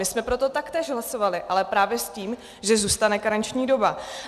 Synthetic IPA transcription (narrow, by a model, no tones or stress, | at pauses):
ɪsmɛpɾo̞t̪o̞t̪akt̪ɛːʒɦlaso̞valɪʔalɛpɾaːvjɛsciːm | ʒɛzuːst̪anɛkaɾant͡ʃɲiːdo̞ba